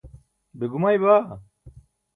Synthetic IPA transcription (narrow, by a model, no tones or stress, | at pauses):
beɡumajba